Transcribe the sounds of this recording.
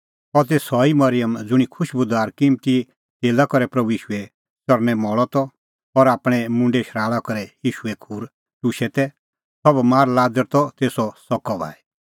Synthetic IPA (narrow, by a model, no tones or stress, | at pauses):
ɔt̪esɔimɐɾɪjəmd͡zʊɽ̃ikʰʊʃbʊd̪aːɾkɪmt̪i | t̪eːlakɔɾɛpɾɐbuiːʃuɛ | t͡sɔɾnɛmɔɭɔt̪ɔː | ɾaːpɽ̃ɛmʊ̃ɳɖɛʃɾaːɭakɔɾɛjiːʃuɛkʰuːɾ | ʈuʃɛt̪ɛ | sɔbmaːɾlaːd͡zəɾt̪ɔt̪eːsɔsɔkɔba̰ːɛ